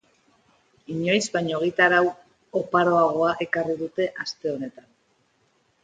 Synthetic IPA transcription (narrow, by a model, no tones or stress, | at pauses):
iɲo̞jzbaɲo̞ɣ̞it̪aɾaw | opaɾo̞aɣ̞o̞aʔe̞kariðut̪e̞ʔast̪e̞o̞ne̞t̪an